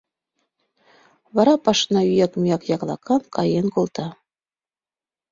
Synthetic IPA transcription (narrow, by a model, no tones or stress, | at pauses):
βɑɾɑpɑʃnɑyjɑkmujɑkjɑklˠɑ̰kʰɑnkʰɑjenkolˠt̪ɑ